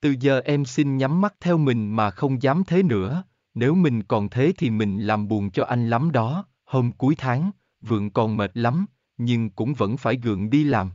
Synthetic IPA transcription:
t̪ɨ˨˩zəː˨˩ʔɛ˧msi˧nɲa˨˦mːa˦˥t̚t̪ʰɛ˧wmï˨˩ŋ̟maː˨˩xə˧wŋ͡mzaː˨˦mt̪ʰe˨˦nɨ̰˧˥ə | ne˨˦wmï˨˩ŋ̟kɔ˨˩nt̪ʰe˨˦t̪ʰi˨˩mï˨˩ŋ̟laː˨˩mɓu˨˩ənt͡ɕɔ˧ʔa˧jŋ̟la˨˦mɗɔ˨˦ | ho˧mku˨˦jt̪ʰaː˨˦ŋ | vɨ̰˧˨əŋkɔ˨˩nme˨˩t̚la˨˦m | ɲɨ˧ŋkʊ̰˧˥ŋ͡mvə̰˧˥nfaː˧˩jɣɨ̰˧˨əŋɗi˧laː˨˩m

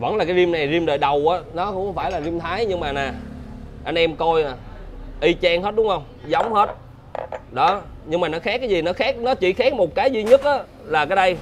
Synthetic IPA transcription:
və̰˧˩nlaː˨˩kaː˨˦jzi˧əmna˨˩jzi˧əmɗəː˨˩jɗə˨˩wʔaː˨˦nɔ˨˦kʊ̰˧˥ŋ͡mxə˧˦wŋ͡mfaː˧˩jlaː˨˩zi˧mt̪ʰaː˨˦jɲɨ˧ŋmaː˨˩naː˨˩ʔa˧ŋʔɛ˧mko˧ja˨˩ʔi˧t͡ɕa˧ŋɦə˦˥t̚ɗʊ˨˦ŋ͡mhə˧wŋ͡mzə˨˦wŋ͡mhe˦˥t̚ | ɗɔ˨˦ɲɨ˧ŋmaː˨˩nɔ˨˦xaː˦˥k̚ːaː˨˦jzi˨˩nɔ˨˦xaː˦˥k̚nɔ˨˦t͡ɕḭ˧˩xaː˦˥k̚mo˨˩t̚kaː˨˦jzi˧ɲə˦˥t̚ʔaː˨˦ | laː˨˩kaː˨˦jɗə˧j

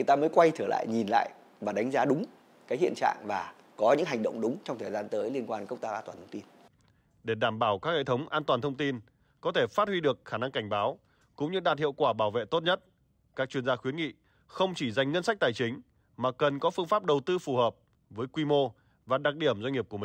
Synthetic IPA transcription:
jt̪aː˧məː˨˦jkwa˧jt͡ɕ̪ʰəː˧˩la̰ː˧˨jɲi˨˩nla̰ː˧˨j | vaː˨˩ɗa˨˦jŋ̟zaː˨˦ɗʊ˨˦ŋ͡m | kaː˨˦jhḭ˧ənt͡ɕa̰ː˧˨ŋvaː˨˩ | kɔ˨˦ɲɨ̰˧˥ŋɦa˨˩ŋ̟ɗə̰˧˨wŋ͡mɗʊ˨˦ŋ͡mt͡ɕɔ˧wŋ͡mt̪ʰəː˨˩zaː˧nt̪əː˨˦jli˧ənkwaː˧nkə˦˥k͡p̚t̪aː˧ʔaː˧t̪waː˨˩t̪ʰə˧ŋ͡mt̪i˧n | ɗe˧˩ɗaː˧˩mɓaː˧˩wkaː˦˥k̚hḛ˧˨t̪ʰə˨˦wŋ͡mʔaː˧nt̪waː˨˩nt̪ʰwŋ͡mt̪i˧n | kɔ˨˦t̪ʰe˧˩faː˦˥t̚hwi˧ɗɨ˨˩ək̚xaː˧˩na˧ŋka˧˩jŋ̟ɓaː˨˦w | kʊ̰˧˥ŋ͡mɲɨ˧ɗaː˨˩t̚hḭ˧˨əwkwaː˧˩ɓaː˧˩wvḛ˧˨t̪o˦˥t̚ɲə˦˥t̚ | kaː˦˥k̚t͡ɕwi˧ənzaː˧xwi˨˦nŋḭ˧˨ | xə˧wŋ͡mt͡ɕi˧˩za˨˩jŋ̟ŋə˧nsa˦˥k̟̚t̪aː˨˩jt͡ɕï˨˦ŋ̟ | maː˨˩kə˨˩nkɔ˨˦fɨ˧əŋfaː˦˥p̚ɗə˨˩wt̪ɨ˧fu˨˩həː˨˩p̚ | vəː˨˦jkwi˧mo˧ | vaː˨˩ɗa˨˩k̚ɗi˧˩əmzwŋŋ˨˩p̚ku˧˩əmï˨˩

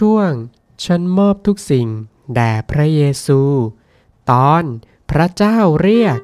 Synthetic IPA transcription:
u˥˩əŋ | t͡ɕʰa˦˥˨nmɔː˥˩p̚t̪ʰu˦˥k̚si˨˩ŋ | dɛː˨˩pʰɾa˦˥jeː˧suː˧ | t̪ɔː˧˥n | pʰɾa˦˥t͡ɕaː˥˩wɾi˥˩ək̚

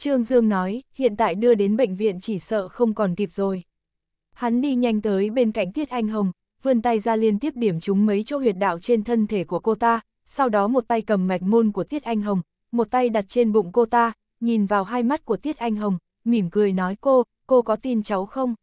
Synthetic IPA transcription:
t͡ɕɨ˧əŋzɨ˧əŋnɔ˨˦jhḭ˧˨ənt̪a̰ː˧˨jɗɨ˧əɗe˨˦nɓə̰˧˨ŋ̟vḭ˧˨ənt͡ɕi˧˩sə̰ː˧˨xə˧wŋ͡mkɔ˨˩nt̪i˨˩p̚zo˨˩j | ha˨˦nɗi˧ɲa˧jŋ̟t̪əː˨˦jɓe˧nka̰˧˨jŋ̟t̪ʰi˦˥ət̚ʔa˧jŋ̟ɦə˨˩wŋ͡m | vɨ˧ənt̪a˧jzaː˧li˧ənt̪i˦˥əp̚ɗi˧˩əmt͡ɕʊ˨˦ŋ͡mmə˨˦jt͡ɕɔ˨˦hwi˨˩ət̚ɗa̰ː˧˨wt͡ɕe˧nt̪ʰə˧nt̪ʰe˧˩ku˧˩əko˧t̪aː˧ | sa˧wɗɔ˨˦mo˨˩t̚t̪a˧jkə˨˩mːa˨˩jk̟̚mu˧nku˧˩ət̪i˦˥ət̚ʔa˧jŋ̟ɦə˨˩wŋ͡m | mo˨˩t̚t̪a˧jɗa˨˩t̚t͡ɕe˧nɓʊ̰˧˨ŋ͡mko˧t̪aː˧ | ɲi˨˩nvaː˨˩wɦaː˧jma˦˥t̚ku˧˩ət̪i˦˥ət̚ʔa˧jŋ̟ɦə˨˩wŋ͡m | mi˨˧˩mkɨ˨˩əjnɔ˨˦jko˧ | ko˧kɔ˨˦t̪i˧nt͡ɕa˨˦wxə˧wŋ͡m

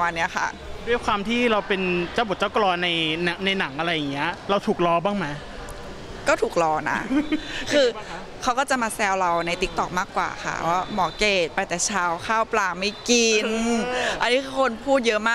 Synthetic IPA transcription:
a˧nːi˦˥ɐxʰa̰˥˩ | u˥˩ə˩kʰwaː˧mt̪ʰiː˥˩ɾa˧wpe˧nt͡ɕaː˥˩wbo˨˩t̚t͡ɕa˥˩klɔː˧na˧jna˩˦ŋna˧jna˩˦ŋʔa˧ɾa˧jːa˨˩ŋːi˦˥ɐʔɾa˧wt̪ʰuː˨˩k̚lɔː˧baː˥˩ŋma˦˧˥ | kɔː˥˩t̪ʰuː˨˩k̚lɔː˧na̰˦˥kʰɯː˧ | kʰa˦˥wkɔː˥˩t͡ɕa˨˩maː˧sɛː˧wɾa˧wna˧jt̪i˦˥k̚t̪ɔ˨˩k̚maː˥˩kwa̰ː˨˩xʰa̰˥˩pɔ˦˥˩mɔː˨˩˦keː˨˩t̪̚pa˧jt̪ɛː˨˩t͡ɕʰaː˧˩wkʰaː˥˩wplaː˨˩ma˥˩jki˧nʔa˧nːiː˦˥kʰɯː˧kʰo˧npʰuː˥˩t̪̚jɤ˦˥ʔmaː˥˩

